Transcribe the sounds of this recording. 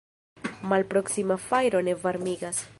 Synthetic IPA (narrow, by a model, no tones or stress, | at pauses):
malpɾo̞ksimafajɾo̞ne̞vaɾmiɡas